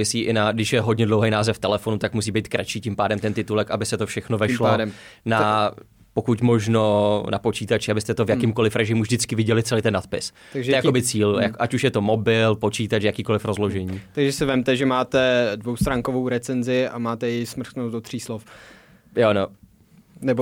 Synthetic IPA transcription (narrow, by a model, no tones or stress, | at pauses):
ɪsiːʔɪnaɡdɪʃjɛɦodɲɛdlowɦejnaːzɛft̪ɛlɛfo̞nut̪akmus̬iːbejt̪̚kɾat͡ʃiːcɪmpaːdɛmt̪ɛnt̪ɪt̪ulɛkabɪsɛt̪ofʃɛxnovɛʃlom | na | pokucmo̞ʒno̞napot͡ʃiːt̪at͡ʃɪabɪst̪ɛt̪ovjakɪmko̞lɪfɾɛʒɪmuvd͡ʒdɪt͡skɪvɪɟɛlɪtt͡sɛlejt̪ɛnːat̪̚pɪs | t̪aɡʒɛɛjakobɪt͡siːljakʔacuʃjɛt̪o̞mobɪlpo̞t͡ʃiːt̪at͡ʃjakiːko̞lɪfɾozlo̞ʒɛɲiːt̪aɡʒɛsɪvɛmt̪ɛʒɛmaːt̪ɛdvowst̪ɾaːŋkovowɾɛt͡sɛnzɪamaːt̪ɛjɛjsmr̩xt̪nosdot̪r̥iːslof | jono | nɛbo